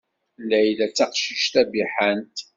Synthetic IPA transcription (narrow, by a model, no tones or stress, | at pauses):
lːæjlæt͡sːæqʃiʃt̪æbiħant̪